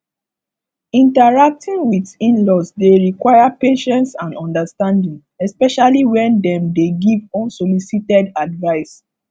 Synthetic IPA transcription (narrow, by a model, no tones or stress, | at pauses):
ĩntaɹak̚tʰĩŋwitĩnlɔsdeɹikwajapeʃɛ̃ntsãnɔ̃ndastãndĩŋ | ɛspɛʃaliwɛ̃ndɛ̃mdeɡivɔ̃nsolisitɛdadvaɪs